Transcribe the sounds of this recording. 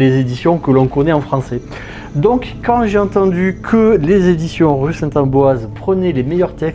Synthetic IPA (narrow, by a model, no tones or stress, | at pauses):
lezed̪isjɔ̃kəlɔ̃kɔnɛɑ̃fχɑ̃sɛ | d̪ɔ̃kːɑ̃ʒeɑ̃t̪ɑ̃d̪ykʰəlezed̪isjɔ̃ʁysɛ̃t̪ɑ̃bwazpχənɛlemɛjœʁt̪ɛk